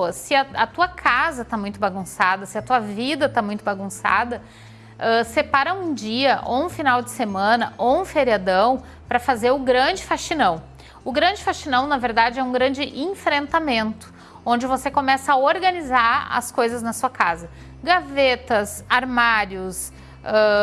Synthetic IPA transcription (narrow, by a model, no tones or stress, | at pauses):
sɪɐɐt̪uɐkʰazɐt̪amũj̃t̪ʊbaɡũsad̪ɐsɪɐt̪uɐvid̪ɐt̪amũj̃t̪ʊbaɡũsa̰d̪ɐ | ɛsepaɾɐũd͡ʒiɐʔo̰ũfinawd͡ʒɪsemɐ̃nɐʔoũfeɾiad̪ɐ̃w̃ | pɾɐfazeɾʊɡɾɐ̃d͡ʒɪfaʃinɐ̃w̃ | ʊɡɾɐ̃d͡ʒɪfaʃinɐ̃w̃nɐveɾd̪ad͡ʒɪɛũɡɾɐ̃nd͡ʒɪʔẽfɾẽnt̪amẽnt̪ʊ̥ | õnd͡ʒɪvosekomɛsɐaoɾɡɐnizaɾɐ̰skojzɐznɐsuɐkazɐ | ɡavet̪ɐsaɾmaɾjʊs | ɛ